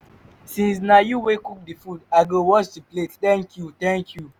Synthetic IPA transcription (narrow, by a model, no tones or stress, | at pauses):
sĩnsnajuwekuk̚difudaɡowɔt͡ʃtiplettɛ̃ŋkjut̪ɛ̃ŋkʰju